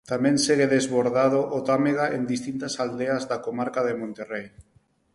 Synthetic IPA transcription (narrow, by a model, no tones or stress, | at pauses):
t̪amẽnseɣeðezβoɾðað̞oʔot̪ameɣaend̪ist̪int̪asald̪eazðakomaɾkaðemõnt̪erej